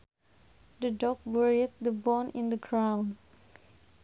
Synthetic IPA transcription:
d̪ədɔk̚wəɹit̚d̪əbɔnɪ̰̃nd̪əɡɹãʊ̃n

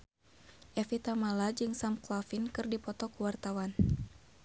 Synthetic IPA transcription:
ʔɛfit̪amalad͡ʒɨŋsamklafinkɨrdipɔt̪ɔkuwart̪awan

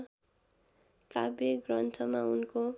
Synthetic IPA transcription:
kabeɡrʌnt̪ʰʌmaunko

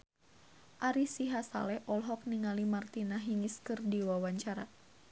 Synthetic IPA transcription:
ʔaɾisiɦasa̰lɛhʔɔlɦɔk̚niŋalimart̪inaɦiŋiskɨrdiwawaɲt͡ʃaɾa

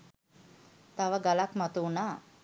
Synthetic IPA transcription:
t̪aʋəɡalakmat̪una

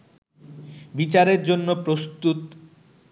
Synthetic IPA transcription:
bit͡ɕaɾeɾd͡ʑonːopɾost̪ut̪

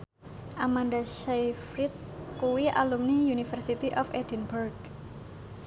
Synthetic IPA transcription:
ʔamandaʃajfɾit̪̚kuwiʔa̰lumnijunifərsit̪iʔɔfed̥inburɡ

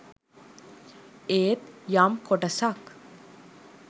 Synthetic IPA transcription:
eːt̪jamkʰoʈɐsak

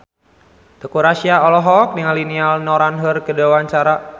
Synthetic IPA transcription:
d̪̥əkuɾasiaɔlɔɦɔk̚diŋalːinialnɔɾanɦərkədewaɲt͡ʃaɾa

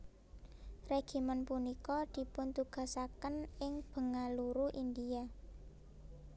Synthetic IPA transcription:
reɡ̥i̤mənpunikɔd̪̥i̤pʊnt̪uɡ̥a̤sakənɪŋb̥ə̤ŋaluɾuʔind̪ia

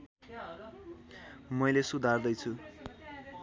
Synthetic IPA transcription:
mʌjlesud̪ʱard̪ʌjt͡sʰu

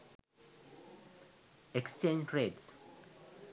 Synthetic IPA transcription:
ɛkst͡ʃẽnd͡ʒɹeds

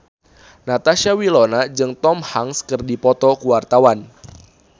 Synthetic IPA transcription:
nat̪aʃawilɔnad͡ʒɨŋt̪ɔmhaŋskərdipɔt̪ɔkuwart̪awan

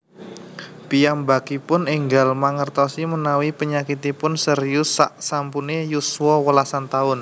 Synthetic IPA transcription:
pijambakipʊnɪŋɡalmaŋərt̪ɔsimənawipəɲakit̪ipʊnsəɾijʊsaʔsampunejusuwɔwəlasant̪aʊn

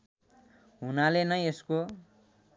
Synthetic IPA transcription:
ɦunalenʌesko

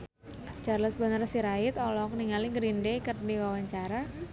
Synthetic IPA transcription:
t͡ʃarləsbənərsiɾaɪt̪ɔlɔk̚niŋaliɡɾindekərdiwawaɲt͡ʃaɾa

